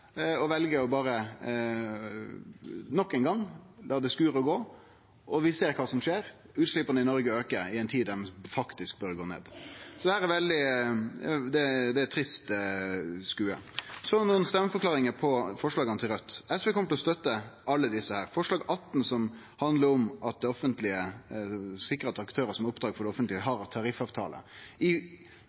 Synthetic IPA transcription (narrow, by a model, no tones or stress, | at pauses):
ɔʋɛlɡəɔbɑːɾə | nɔkːæɪnɡɑŋlɑːd̪æɪskʉːɾəɔɡoː | ʔɔʋɪseːɾkʰɑːsɔmʂeːɾ | ʉːt̪ʂlɪpənəɪnɔɾɡəøːkəɪɛɪnt̪ʰiːd̪d̪æɾmɛfɑkt̪ɪsk̚bœɾɡo̰ːnḛːd̪sɔd̪ɛhæːɾɛɾʋɛld̪ɪ | d̪ɛd̪ɛæt̪ʰɾɪst̪ | skʉːə̰sɔnuːənst̪ɛmːəfɔɾklɑːɾɪŋəpʰɔfɔʂɭɑːɡɑnət̪ʰɪlɾœt̪ːɛspeːkʰɔmːət̪lɔst̪œt̪ːəʔɑlːəd̪ɪsːəhæːɾfɔʂɭɑːɡɑt̪ːn̩sɔm | hɑnd̪ləɾɔmɑt̪̚d̪ɛɔfənt̪lɪə | sɪkːɾʁɑt̪ʰɑkt̪ʰøːɾəsɔmɾʊpd̪ɾɑːɡfɔɾɖ̪ɛɔfənt̪lɪəɦɑɾt̪ʰɑɾɪfɑːʋt̪ʰɑ̰ːlʔə̰ɪ